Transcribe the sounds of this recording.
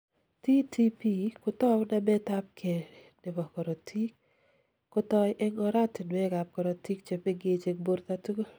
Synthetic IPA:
ti˦tʰi˦pi˦kʊ˦tɔ˦wna˦mɛ˦ta˦p̚kʰe˨nɪ˨bɔ˨kɔ˨ɾɔ˨tʰi˦k̚ | kːʊ˦tɔ˦jʔɛ˦ŋɔ˦ɾa˦tɪ˨nwe˦ɡa˨p̚kɔ˨ɾɔ˨ti˦k̚t͡ʃe˨me˦ɡe˦t͡ʃe˨k̚bo˦ɾt̪a˦tu˦ɡo˦

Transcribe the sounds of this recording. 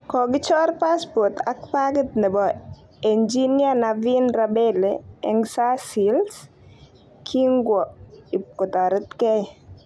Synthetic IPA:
kɔ˨ɡɪ˦t͡ʃɔ˦rpa˦sbo˨t̪ʰa˦k̚paɡət̪̚nɛ˨bɔ | e˨nd͡ʒi˦nianavi˦nrabeleɛ̰˨ŋsa˦si˨ls | kʰi˦ŋɡwɔi˨kɔ˨t̪ɔ˨ɾə˦t̪kɛ˦

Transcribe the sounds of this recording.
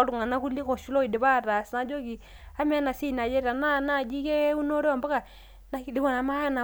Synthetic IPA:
ɾu˨ŋa˨na˦ku˦li˦ko˨ʃu˦lo˦i˨de˨βa˦˨ɾa˨sna˦d͡ʒo˦ki˨ | a˦m˦a˦na˨si˦˨na˨d͡ʒe˦ɾa˨na˦na˦˨d͡ʒi˦ke˦u˦no˦ɾe˦a˨mba˦ka˨ | na˦i˨li˦ka˦˨na˨˦ma˦ja˦na˨

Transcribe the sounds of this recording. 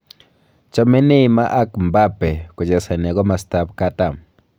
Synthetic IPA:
t͡ʃɔ˦mɛ˦nɪ˦ma˦ʔa˦kmba˦pɛ˨kʊ˨d͡ʒɛ˨sa˨na˨ɡɔ˦ma˨sta˦p̚ka˦ta˨m

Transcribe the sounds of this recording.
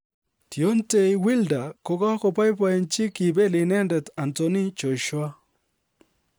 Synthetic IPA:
tjo˦nte˦˨jwi˦lda˨ko˨ka˦kɔ˨pa˦jp̬a˨e˨nt͡ʃɪ˦ki˨be˦lɪ˨nɛ˦ndɛ˨ta˨ntɔ˨ni˦t͡ʃo˨ʃwa˦

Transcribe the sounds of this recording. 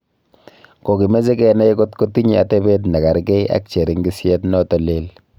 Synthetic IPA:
ko˨ki˨me˦ze˦kɛ˦na˦ko˦tko˦ti˦ɲi˦a˨te˦be˦t̬na˨ka˨ɾkɛ˦ja̰˨˦k̚t͡ʃe˨ɾi˦ŋɡi˦sje˦tnɔ˦tɔ˨le˦l

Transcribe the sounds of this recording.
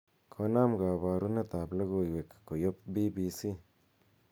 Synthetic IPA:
kʰo˧˦na˦mɡa˨ba˨ɾu˦ne˦t̪a˨bla˦ɡo˧jwe˨kko˨jo˦pbi˦bi˧si˦

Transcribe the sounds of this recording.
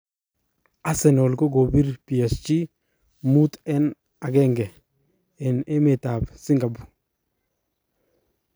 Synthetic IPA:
a˦sɛ˨nɔ˨lko˦ɡo˨bi˦ɾpi˨ɛ˨st͡ʃi˦ | mu˦t̪ɛ˦n | a˨ɡɛ˦ŋɡɛ˨ | ɛ˨ne˦mɪ˨ta˨bsi˦ŋɡa˨bu̥˨

